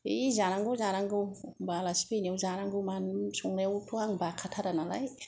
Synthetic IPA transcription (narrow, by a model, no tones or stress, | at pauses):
izaɾaŋɡɯwzaɾaŋɡɯwbalaspinewzaɾaŋɡɯmansuŋɾewtʰuaŋbakʰatʰaɾanala̰j